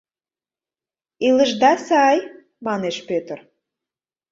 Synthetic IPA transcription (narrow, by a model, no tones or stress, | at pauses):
ilə̆ʒd̪ɑsɑj | mɑneʃpøt̪ər